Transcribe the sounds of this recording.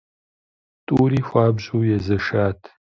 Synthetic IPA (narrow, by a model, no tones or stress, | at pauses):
tʼuːɾiːxʷaːbʑuːjɛzɐʂaːtʰ